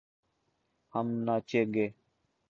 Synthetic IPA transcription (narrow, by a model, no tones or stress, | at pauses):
həmnaːt͡ʃeːɡeː